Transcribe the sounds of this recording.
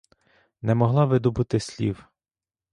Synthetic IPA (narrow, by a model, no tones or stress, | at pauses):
nɛmɔɦlˠɑʋɪd̪ɔbut̪ɪsʲlʲḭw